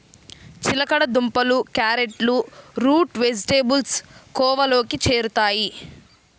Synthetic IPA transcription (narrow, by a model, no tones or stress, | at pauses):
t͡ʃilɐkɐɽɐd̪umpɐlukaːɾeʈluɾuːʈʋe̞d͡ʒiʈeːbulskɔːʋɐlo̞ːkit͡ʃe̞ːɾut̪aːji